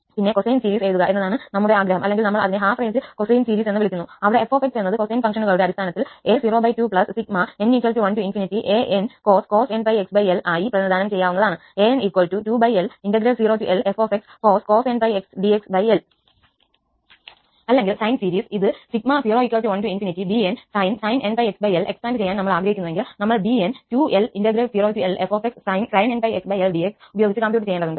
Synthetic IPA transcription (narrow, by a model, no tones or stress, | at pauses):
pinːe̞kosejnsiːɾiːseːt̪uɣɐʔe̞nːɐðaːɳɨnɐmːuɽeaːɡɾɐɦɐmʔɐlːe̞ŋɡilnɐmːɐɭɐ̰ðineɦaːfreːnsɨko̞sejnsiːɾiːse̞nːʋiɭikʲːunːuɐʋiɽe̞efoːfek̚senːɐðɨko̞sɐjnfɐŋʂɐnuɣɐɭuɽe̞ɐɾist̪aːnɐt̪ːileːsiːro̞ːbɐjtupɭɐssik̚mɐeniːkːwɐlʈuʋɐntuinfinitːiʔeːʔenko̞ːsko̞ːsenbɐjeksbɐjelaːjiprɐðɐd̪ʱaːnɐmt͡ɕe̞jːaːʋunːɐðaːɳɨ | e̞eniːkwɐltutubɐjelindɐɡɾɐlsiːroːtuʔelefoːfekskoːsko̞ːsenbɐjeksɖieksbɐjel | ɐlːe̞ŋɡilsɐjnsiːɾiːsiðɨsik̚masiːroːikʲːwʋɐɭʈuʋɐntuinfinitːibiensɐjnsɐjnenbɐjeksbɐjelʔe̞ksʈaːnɖɨt͡ɕe̞jːaːnɐmːɐɭaːɡɾɐɦikːunɐðeŋɡilnɐmːɐɭɖientuːelindɐɡɾelsiːɾoːtuelʔefoːfekssɐjnsɐjnenbɐjeksbɐjelɖieksubɐjoːɡit͡ɕːɨkɐmpjuːʈːt͡ɕejaːɳɖɐðuɳɖɨ